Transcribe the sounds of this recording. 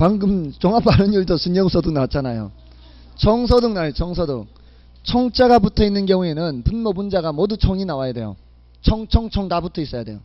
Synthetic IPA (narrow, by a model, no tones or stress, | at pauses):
paŋɡɯmt͡ɕʌŋapaɾɯnjuɭdʌsuɲjʌŋsʰʌdɯŋnat͡ɕʰanajo̰ | t͡ɕʰʌŋsʰʌdɯŋnaɭt͡ɕʌŋsʰʌdɯŋ | t͡ɕʰʌŋt͡ɕ͈aɡabutʰʌinːɯnɡjʌŋue̞nɯnpunmʌbund͡ʑaɡamʌdut͡ɕʰʌŋinawajade̞jo̰ | t͡ɕʰʌŋt͡ɕʰʌŋt͡ɕʰʌŋdabutʰʌis͈ʌjade̞jo